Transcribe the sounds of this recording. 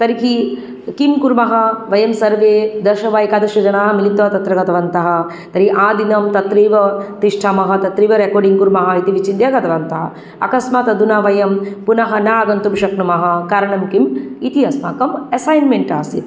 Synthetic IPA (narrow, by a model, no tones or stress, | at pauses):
t̪ɐɾikʰi | kimkuɾmɐɦɐʋɐjɐmsɐɾʋeːd̪ɐʃɐʋaːjkaːd̪ɐʃɐd͡ʒɐnaːɦɐmilit̪ʋɐt̪ɐt̪ɾɐɡɐt̪ɐʋɐnt̪ɐɦɐ̆ | t̪ɐɾiʔaːd̪inɐmt̪ɐt̪ɾiːʋɐt̪iʂʈʰaːmɐɦɐt̪ɐt̪ɾiːʋɐɾekoːɾɖiŋkuɾmɐɦɐit̪iʋit͡ʃind̪jaːɡɐt̪ɐʋɐnt̪ɐɦɐ̰ | ɐ̰kɐsmaːt̪ɐd̪unaʋɐjɐmpunɐɦɐnaːɐɡɐnt̪umʃɐknumɐɦɐ̆kɐɾɐɳɐmkimit̪iɐsmaːkɐmɐsaːjnmeɳʈaːsit̪